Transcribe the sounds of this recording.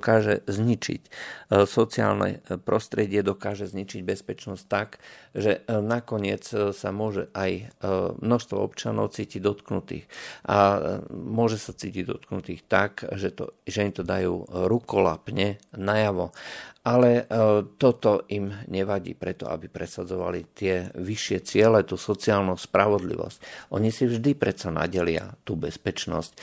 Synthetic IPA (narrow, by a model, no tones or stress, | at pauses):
kaːʒɛzɲit͡ʃḭcsɔt͡sia̰ːlnɛ̰pɾɔst̪ɾɛɟɪɛd̪ɔkaːʒɛzɲit͡ʃiɟbɛspɛt͡ʃnɔsct̪aɡʒɛnakɔɲɪɛt͡ssamʊɔʒɛ̰ʔajmnɔʃst̪ʋɔ̰ɔpt͡ʃɪanɔ̰ʊt͡siːciɟd̪ɔt̪knut̪ḭːxʔa̰ | mʊɔʒɛsat͡siːciɟd̪ɔ̰t̪knut̪iːxt̪akʒɛt̪ɔ̰ʒɛimt̪ɔd̪ajṵːɾukɔla̰pɲɛnajaʋɔʔalɛt̪ɔt̪ɔʔimɲɛʋaɟḭːpɾɛt̪ɔ̰a̰bipɾɛsad͡zɔʋa̰lit̪ɪɛʋiʃɪɛt͡sɪɛlɛt̪uːsɔt͡siaːlnuspɾaʋɔd̪lḭʋɔ̰scʔɔɲisivʒd̪ipɾɛt͡sana̰ɟɛlɪa̰t̪uːbɛspɛt͡ʃnɔ̰sc